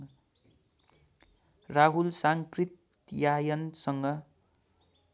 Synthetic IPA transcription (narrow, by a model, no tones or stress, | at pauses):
raɦulsaŋkrit̪ | jajʌnsʌŋɡʌ